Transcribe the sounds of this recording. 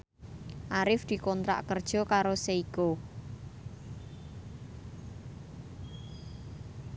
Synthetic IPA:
ʔaɾɪfd̪̥i̤kɔnt̪ɾa̰ʔkərd̥ʒ̥ɔ̤kaɾoseiko

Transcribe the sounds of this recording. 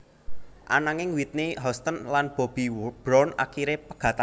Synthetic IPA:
ʔa̰naŋɪŋwit̪̚neɦɔst̪ənlanb̥ɔ̤b̥i̤b̥ɾɔna̰kiɾepəɡ̥a̤t̪a

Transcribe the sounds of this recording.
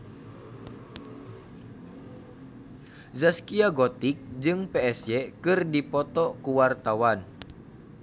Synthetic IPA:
zaskiaɡɔt̪ik̚d͡ʒɨŋpɛɛsjɛkɨrdipɔt̪ɔkuwart̪awan

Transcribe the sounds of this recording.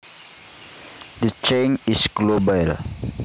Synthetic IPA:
dət͡ʃẽnisɡlobal

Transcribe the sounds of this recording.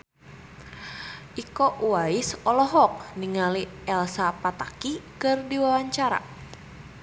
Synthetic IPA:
ʔikoʔuwaisɔlɔɦɔk̚niŋaliʔɛlsapat̪akikɨrdiwawaɲt͡ʃaɾa̰

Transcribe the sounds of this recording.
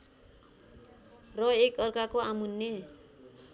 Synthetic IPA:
rʌekʌrkakoamunːe

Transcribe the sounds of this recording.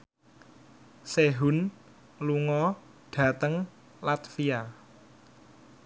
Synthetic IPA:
seɦun | luŋɔ | ɖ̥ä̤t̪əŋ | lat̪fia

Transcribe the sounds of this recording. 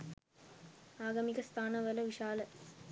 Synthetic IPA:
aːɡɐmikəst̪ʰaːnəʋələʋiʃaːlə

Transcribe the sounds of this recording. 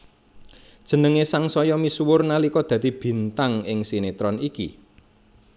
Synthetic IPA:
d̥ʒ̥ə̤nəŋesaŋsɔjɔmiswʊrnalikɔd̪̥ä̤d̪i̤b̥i̤nt̪aŋɪŋsinet̪ɾɔnikḭ

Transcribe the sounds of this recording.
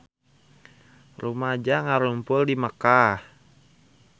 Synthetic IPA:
rumad͡ʒaŋaɾumpʊldiməkah

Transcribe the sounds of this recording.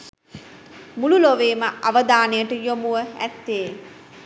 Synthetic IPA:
mululoʋeːməʔaʋəd̪aːnejəʈəjomuʋəæ̰t̪ːeː

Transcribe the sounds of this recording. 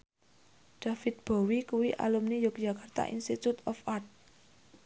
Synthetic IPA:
d̥a̤fɪt̪̚b̥o̤wikuwiʔa̰lumnijʊk̚d͡ʒa̤kart̪a̰ʔḭnst̪it̪ut̪ɔfart̪̚

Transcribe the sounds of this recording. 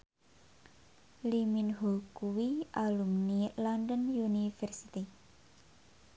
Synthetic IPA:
liminɦokuwiʔalumnilandənjunifɛrsit̪i

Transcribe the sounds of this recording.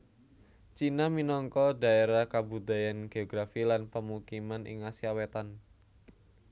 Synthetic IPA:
t͡ʃinaminɔŋkɔda̤eɾahkabud̪a̤janɡ̥eɔɡɾafilanpəmukimanɪ̰ŋasiawet̪an

